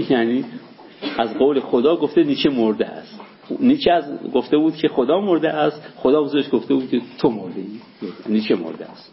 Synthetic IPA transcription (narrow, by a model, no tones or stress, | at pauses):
jæniː | æzɢoːwlexod̪ɒːɡoft̪eniːt͡ʃʰemoɾd̪ḛæ̰st̪ | niːt͡ʃʰæzɡo̞ft̪e̞buːd̪̚kʲʰe̞xod̪ɒːmoɾd̪eʔæst̪xod̪ɒːbuzeʃɡoft̪ebuːd̪̚kʰet̪ʰomoɾd̪ei | niːt͡ʃʰemo̰ɾd̪ḛæst̪